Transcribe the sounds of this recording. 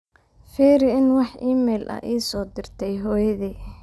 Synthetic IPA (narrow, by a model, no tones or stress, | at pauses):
fiːɾɪɪnwɑħʔiːmɛːlʔɐ̰ʔiːsɔːd̪ɪrt̪ʰɛjɦɔːjɐðiː